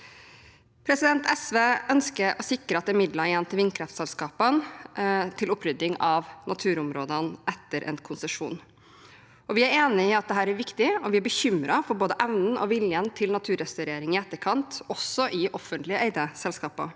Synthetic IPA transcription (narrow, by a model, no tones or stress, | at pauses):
pʰɾɛsɪd̪ɛnt̪ɛsʋeːʔœnskəɾʔɔsɪkɾəɑt̪ɛmɪd̪ləjɛnt̪ʰɪlʋɪnːkʰɾɛft̪sɛlskɑːpən | t̪ʰɪlʊpʰɾʏd̪ːɪŋɑʋnɑt̪ʰʉːɾʊmɾoːd̪ənʔɛt̪ːəɾʔɛ̰nkʰʊnsəʂṵːn | ʔɔʋɪæɾeːnɪɪɑt̪̚d̪ɛɦæːɾæɾʋɪkt̪ɪɔʋɪæɾbəçʏmɾɑfɔɾboːd̪əʔæʋnn̩ʔɔ̰ʋɪljənt̪ʰɪlnɑt̪ʰʉːɾɛst̪ɑʉɾeːɾɪŋɪɛt̪ːəɾkʰɑnt̪ɔsːɔʔɪʔɔfːənt̪lɪəʔeɪd̪əsɛlskɑːpə̰